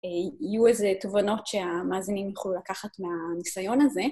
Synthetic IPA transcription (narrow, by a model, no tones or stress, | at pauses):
ijuezet̪ovano̞tʃe̞amaːzinimjaχlulakaχat̪meanisajo̞naze̞